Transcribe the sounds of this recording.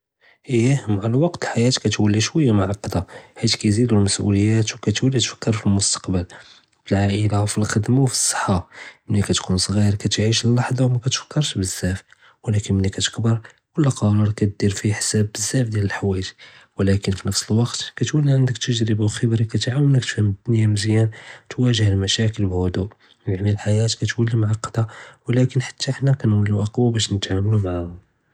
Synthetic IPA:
ʔəjːæmʕalæwɑqt̪əlħajæt̪kæt̪wælːiʃwəjːamaʕɑqːd̪ahit̪kæjzid̪ulməsʔṵləjːæt̪wkæt̪wælːit̪fə̥kːəɾfilmʊst̪ɑ̥qbəl | bəlʕaʔəlawfilxəd̪mawfi̥sˤːə̥ħːamənːikæt̪kʰunsˤɣiɾkæt̪ʕiʃlːɑħd̪ˤɑwmækæt̪fə̥kːəɾˤʃbəz̥ːæf | wlækənmənːikæt̪ə̥kbəɾˤ | kʊlːqɑɾˤɑɾˤkæt̪̚d̪iɾfiħsæbəzːæfd̪jæləlħwæjʒi | wlækənfinəfsəlwɑqt̪kæt̪wælːiʕənd̪ək̚t̪əʒɾəbawxəbɾikæt̪ʕawənək̚t̪fhəmd̪njæmzjænt̪wæʒəhlmæʃækəlbhʊd̪uʔ | jaʕmilħajæt̪kæt̪wælːimaʕaqːd̪ɑwlækənħḁt̪ʰːaħnækænwælːuʔɑqwabæʃnət̪ʕamlumaʕahʊ

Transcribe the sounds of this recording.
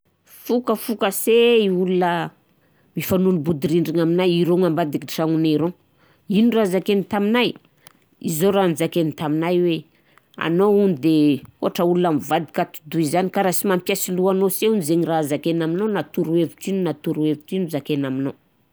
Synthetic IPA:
fukəfukaseiulunə | mifanunibud̪iɾiɳɖ͡ʐiŋaminajiɾoŋambad̪ikiʈ͡ʂaŋunaɾo | inurazakenit̪aminaj | izoɾand͡zakenit̪aminajwe | a̰nound̪eoaʈ͡ʂəulunamivad̪ikat̪u̥d̪uizanikaɾasimampjasiluanoseunizeɲirazakenaminonat̪uɾueviʈ͡ʂininat̪uɾueviʈ͡ʂinuzakenaminow

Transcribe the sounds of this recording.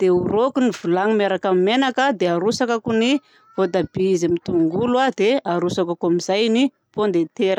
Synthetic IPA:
d̪̥euɾokunivulaŋimeɾakamimenakad̪eaɾusakakuni | vod̪abiizemit̪uŋɡuluad̪eaɾusakakamizajni | pond̪et̪eɾə

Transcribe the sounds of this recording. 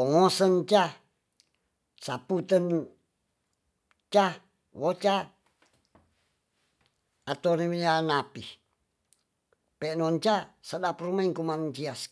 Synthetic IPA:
ɔŋosənt͡ʃa | saput̪ən | t͡ʃa | wot͡ʃa | at̪onimijanapi | pɛnɔnt͡ʃasadaprumaiŋkumand͡ʒias

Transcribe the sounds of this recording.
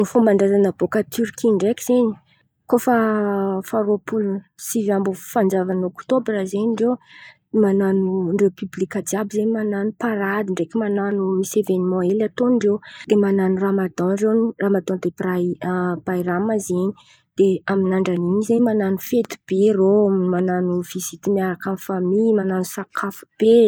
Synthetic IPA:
nifumbaɳɖ͡ʐazanabokat̪ʰyɾkiɳɖ͡ʐekʲiz̥eɲi̥ | kofəfaɾopʰulu | sivambufand͡zavanokt̪obrazeɲiɳɖ͡ʐew | mananuɳɖ͡ʐewpyblikad͡ʒabizeɲmananupaɾad̪iɳɖ͡ʐekʲimananumisevenimɔ̃elat̪oɳɖ͡ʐewd̪̥emananuramad̪ɔ̃ɳɖ͡ʐenramad̪ɔ̃nd̪eprab̥ajramazeɲi | d̪̥eaminaɳɖ͡ʐaniɲizeɲmananufet̪u̥b̥erommananuv̥izit̪imiaɾakanfamimananusakʰafu̥b̥e

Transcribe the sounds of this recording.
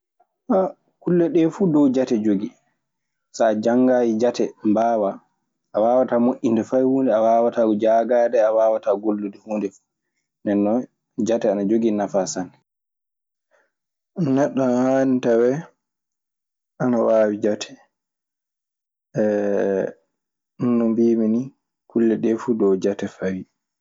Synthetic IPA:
a | kulːɛɗɛfuːdɔwd͡ʒatɛd͡ʒoɡi | sad͡ʒaŋɡaːjid͡ʒatʰɛmbaːwa | ʔːwaːwatamoʔʲindɛfajhundɛawaːwatad͡ʒaɡaːdɛawaːwataɡolːudihondɛfu | nɛnːɔ | d͡ʒatɛanad͡ʒoɡinafasan | nɛɗːɔnhanitawɛ | anawaːwid͡ʒatʰɛ̥ | nːumbiːmini | kulːɛɗɛfudɔwd͡ʒatɛfawi

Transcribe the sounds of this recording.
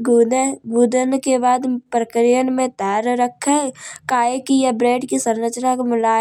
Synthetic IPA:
ɡɡuːd̪ənkebaːd̪pɾəkɾijənmẽt̪ɛːɾɾəkʰɛkaːekijebɾeːɖkisəɾɾət͡ʃnakmʊlaː

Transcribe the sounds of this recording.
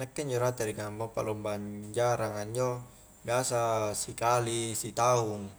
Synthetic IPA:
nakːeɲd͡ʒoɾat̪eɾiŋammapa̰lɔmbaɲd͡ʒaɾaŋaɲd͡ʒo | biasasikalisit̪auŋ

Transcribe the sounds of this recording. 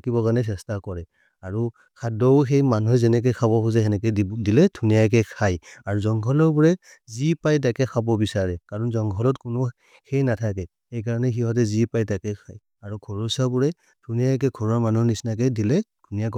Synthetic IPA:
tʰakibɔkanɛs̬ɛstakɔɹɛ | aɹu | kʰadɔʊxejmanuɦɛzɛnɛk̬ɔjkʰabɔxuzɛɛnɛkɛdilɛdʱunijak̬ɛkʰajaɹuzɔŋɡʰʱɔlɔɹbɔɹɛ | zipajt̬akɛkʰabɔbisaɹɛkaɹɔnzɔŋɡʰʱɔlɔtkʊnʊ | xejnatʰakɛ | ejkaɹɔnɛxiɦɔt̬ɛzipajtakɛkʰaj | aɹuɡʰʱɔɹɔsabɔɹɛ | d̥ʱunijak̬ɛɡʰʱɔɹɔɹmanuɦnisnak̬ɛdilɛd̥ʱunijak̬ɔ

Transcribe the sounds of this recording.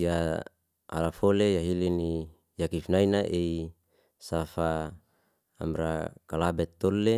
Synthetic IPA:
ja | a̰lafolejaɦilini | jakifnainaʔei | safaː | mɾakalabɛt̪ːole

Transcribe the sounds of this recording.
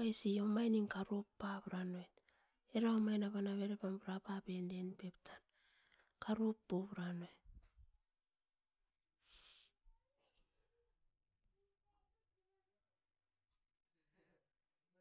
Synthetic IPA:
ajsio̞majniŋkaɾopːaβɾanoet | eɾaomajnaβanaβe̞ɾepambɾapabe̞nde̞npe̞ptʰan | kaɾupːoβɾanoet

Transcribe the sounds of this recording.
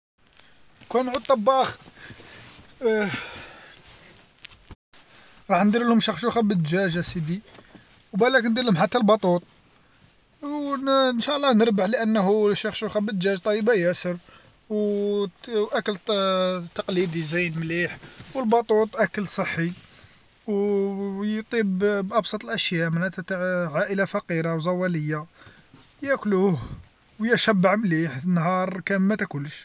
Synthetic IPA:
kænʕud̪̚t̪ːˤɑbːɑx | ɾˤɑħnd̪iɾlʊmʃəxʃuxæbəd̪ʒæʒæsid̪i | wbælæknd̪iɾhʊmħat̪ːælbɑt̪ˤut̪ˤ | wnʃæʔəlˤːɑnəɾbəħləʔənːɦuʃɑxʃuxæbəd̪ʒæʒt̪ˤɑjəbajæsəɾ | w | ʔækəl | t̪ːɑqlid̪izæjənmliħwəlbɑt̪ˤut̪ˤʔækəlsˤəħːi | w | jt̪ˤibbʔɑbsˤɑt̪ˤəlʔæʃjæʔmaʕnæt̪æt̪aʕʕaʔəlafɑqiɾawzˤɑwæləjːa | jækluh | wjəʃæbːaʕmliħnːɦɑɾˤkæmːæt̪ækʊlːʃ

